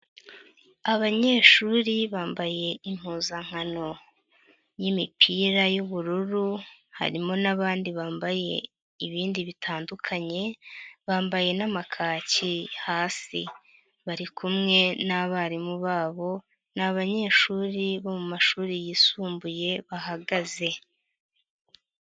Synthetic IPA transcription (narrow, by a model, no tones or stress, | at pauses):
aβaɲe̞ːʃuːɾiβaːmbaje̞im̥huːzaŋ̥ano̞ | jimipʰiːɾajuβuɾuɾuha̰ɾimo̞naβaːndiβaːmbaje̞̰ | iβiːndiβitʰaːndukʰaɲe̞βaːmbaje̞namakʰaːcihaːsḭ | βaɾikʰumŋe̞naβaɾimuβaːβo̞ | naβaɲe̞ːʃuːɾiβo̞mumaʃuːɾijisuːmbuje̞βaɦaɡaze̞